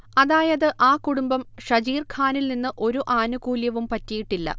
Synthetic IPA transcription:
ɐðaːjɐðɨʔaːkuɽumbɐmʂɐɾiːrkʰaːnilninːɨʔo̞ɾuʔaːnuɣuːljɐʋumpɐtːijiʈːilːɐ̰

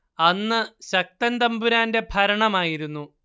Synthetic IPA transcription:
ɐnːɨɕɐk̚t̪ɐnd̪ɐmbuɾaːnde̞bʱɐɾɐɳɐmaːjiɾunːu

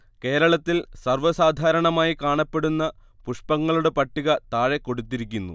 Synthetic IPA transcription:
ke̞ːɾɐɭɐt̪ːilsɐrʋɐsaːd̪ʱaːɾɐɳɐmaːjikaːɳɐpːe̞ɽunːɐ | puʂpɐŋːɐɭuɽe̞pɐʈːiɣɐt̪aːɻeko̞ɽut̪ːiɾikʲːunːṵ

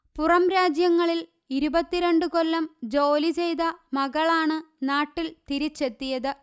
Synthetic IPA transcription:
purɐmɾaːd͡ʑjɐŋːɐɭil | iɾubɐt̪ːiɾe̞ɳɖɨkolːɐmd͡ʑo̞ːlit͡ɕe̞jðɐmɐɣɐɭaːɳɨnaːʈːilt̪iɾit͡ɕːe̞t̪ːijɐðɨ

